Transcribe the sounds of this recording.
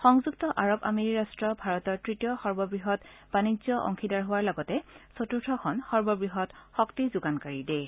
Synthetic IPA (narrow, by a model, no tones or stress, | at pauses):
xɔŋzuk̚tɔʔaɹɔba̰miɹiɹastɹɔbʱaɹɔtɔɹtɹitijɔxɔɹbɔbɹiɦɔtb̥anizɔʔɔ̰ŋkʰidaɹɦʊwaɹlɔɡɔtɛsotuɹtʰɔkʰɔnxɔɹbɔbɹiɦɔtxɔktizʊɡankaɹide